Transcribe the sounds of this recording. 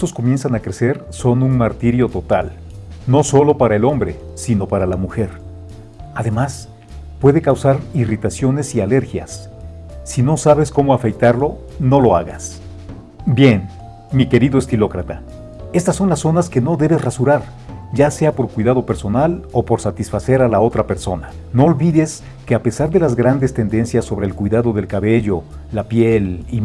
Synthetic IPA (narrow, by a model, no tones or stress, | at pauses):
eso̞sko̞mje̞nsanakɾe̞se̞ɾso̞nunmaɾt̪iɾjo̞t̪o̞t̪al | no̞so̞lo̞paɾae̞lo̞mbɾe̞ | sino̞paɾalamuxe̞ɾ | aðe̞mas | pwe̞ðe̞kawsaɾirit̪asjo̞ne̞siale̞ɾxja̰sː | ino̞saβ̞e̞sko̞mo̞afekt̪aɾlo̞no̞lo̞a̰ɣa̰s | bje̞n | mike̞ɾiðoest̪ilo̞kɾat̪a | e̞st̪asːo̞nlasːo̞naske̞no̞ðe̞βe̞srasuɾaɾ | ɟ͡ʝase̞apo̞ɾkwijðaðo̞pe̞ɾso̞nalo̞po̞ɾsat̪isfase̞ɾalao̞t̪ɾape̞ɾso̞na | no̞ːlβiðe̞s | ke̞ape̞saɾðe̞lazɣɾand̪e̞st̪e̞nd̪e̞nsjasːo̞βɾe̞ːlkwuijðaðo̞ðe̞lkaβe̞ʝo̞ | lapje̞li